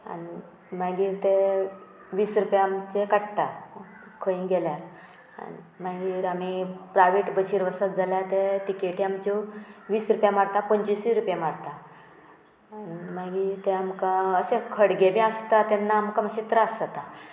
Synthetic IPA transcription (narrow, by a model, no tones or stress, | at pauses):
a̰ni | maɡiːɾt̪e | ʋiːsɾupjaːmt͡ɕekaʈʈa | kʰəĩɡeljaɾ | a̰ni | maɡiːɾamipɾajʋeʈbəɕiɾʋəsat̪d͡zʱaljat̪eʈikeʈiamt͡ɕoʋiːsɾupjamaɽt̪apəɲt͡ɕisʋiɾupjamaɽt̪a | animaɡiːɾt̪eamkaəsekʰəɽɡebʱĩast̪at̪enːaːmkaməɕit̪ɾaəsat̪a